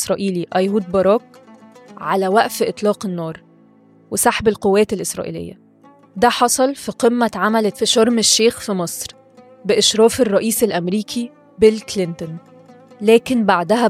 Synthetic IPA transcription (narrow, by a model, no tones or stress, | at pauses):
sɾˤɑːʔiːliʔæjhuːd̪̚bɑɾˤɑːk | ʕalæwæʔfʔet̪ˤlɑːqenːɑːɾˤ | wesɑħbelqowːæːt̪elʔesɾˤɑ̰ːʔḭːlḛjːæ̰ | d̪æːħɑsˤɑlfiqemːæʕamælefiʃɑɾˤmeʃːeːxfimɑsˤɾ | beʔɪʃɾɑːferˤːɑʔiːselʔæmɾiːkʰi | belklent̪on | læːkenbaʕd̪æhæ